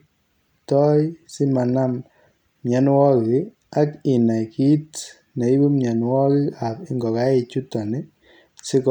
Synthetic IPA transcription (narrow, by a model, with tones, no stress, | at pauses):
tɔ˦jsɪ˦ma˨na˦m | mɲa˨n˦wɔ˦k | a˦kɪ˨na˨ki˦t | nɛ˨i˦bu˦mɲa˨nwɔ˦ki˦a˨pɪ˦ŋɡɔ˨ka˨˦ɪ˨t͡ʃu˦tɔ˨nɪ˦ | sɪ˦k